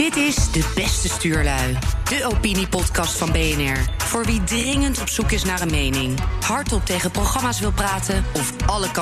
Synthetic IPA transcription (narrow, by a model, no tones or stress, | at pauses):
dɪtɪzdəbɛstəstyːɹlœɥd̥əʔowpinipɔtkɑstfɑnbejɛnɛɹv̥ʊːɹʋidrɪŋəntɔpsukɪsnaːrənmejnɪŋhɑɹtɔp̚tejχəprowχɑmaːsʋɪlˠpraːtənɔfɑləkɑ